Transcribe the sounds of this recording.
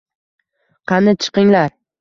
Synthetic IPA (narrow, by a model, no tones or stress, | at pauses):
qʰɑnɪt͡ʃʰɨ̥qɪŋlaɾ